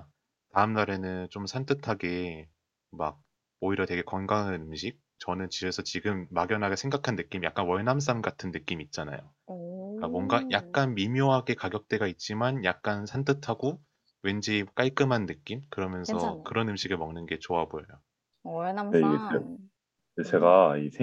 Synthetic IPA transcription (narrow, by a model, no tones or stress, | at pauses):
taɯmnaɾe̞nɯnt͡ɕ͈omsʰant͈ʰɯtʰaɡe̞ | maɡ̚ | oiɾjʌtwe̞ɡe̞kʌnɡaŋɯnɯmɕʰik̚ | t͡ɕʌnɯnt͡ɕibe̞sʰʌt͡ɕiɡɯmːaɡjʌnɦaɡe̞sʰe̞ŋɡakʰanːɯk͈imja̰k͈̚anwʌɭnams̬͈amɡatʰɯnːɯk͈imit̚t͡ɕ͈ana̰jo̰ | ik͈amwʌnɡajak̚k͈anmimjoɦaɡe̞kaɡjʌk̚t͈e̞ɡait̚t͡ɕ͈imanjak̚k͈ansʰantʰɯtʰaɡo | we̞nd͡ʑik͈aɭk͈ɯmɦanːɯk͈imkɯɾʌmjʌnsʰʌkɯɾʌnɯmɕʰiɡɯɭmʌŋnɯnɡe̞t͡ɕoabojʌjo | neiɡe | et͡ɕe̞ɡaisʰ